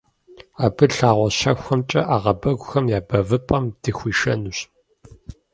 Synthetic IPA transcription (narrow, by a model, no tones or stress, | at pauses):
aːbɨɬaːʁʷɔɕɐxʷɐmt͡ʃʼɐʔaːʁɐbɐɡʷʊxɐmjaːbɐvɨpʼɐmdɨxʷiːʃɐnuɕ